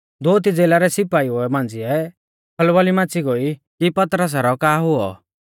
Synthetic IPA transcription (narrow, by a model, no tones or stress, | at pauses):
d̪oːt̪̬id͡zeːlaɾɛsɪpaːiʊɛmãːnd͡zɪɛ | pʰɐlʋalimãːt͡siɡoːikipɐt̪ɾəs̬aɾɔkaːɦʊɔ̰